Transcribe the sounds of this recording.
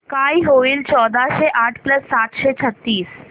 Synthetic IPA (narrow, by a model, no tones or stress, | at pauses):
kajɦoʋiːlt͡ɕɔd̪ʱaɕeʔaʈʰpləsːatɕet͡ɕʰət̪ːiːs